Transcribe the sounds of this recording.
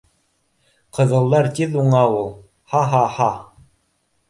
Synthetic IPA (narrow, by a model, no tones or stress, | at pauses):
qɤ̆ðɤ̆lˠːɑɾt̪ʲiðuɴɑwulˠ | hɑɦɑhɑ